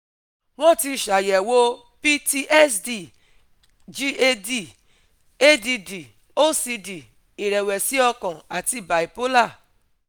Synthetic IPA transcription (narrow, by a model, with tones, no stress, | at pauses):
w̃ɔ̃˦˨ti˧˨ʃa˨jɛ˨wo˦ | pi˦ti˧ʔɛ˦sdi˨ | d͡ʒi˧e˧di˦ | e˦di˧di˨ | o˦si˧di˨ | i˨ɾɛ˨wɛ˨si˨˦ɔ˧kɔ̃˨a˨ti˧˨ba˨i˨po˦la˦˨